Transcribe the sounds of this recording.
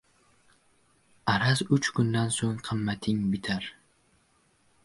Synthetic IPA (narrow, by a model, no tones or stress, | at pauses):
aɾazʊt͡ʃkʊnd̪ansoŋqʰɨmːat̪ʰɪŋbɪt̪ʰaɾ